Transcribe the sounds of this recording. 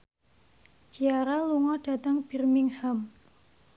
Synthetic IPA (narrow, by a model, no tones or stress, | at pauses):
t͡ʃiaɾaluŋɔɖ̥a̤t̪əŋb̥irmiŋham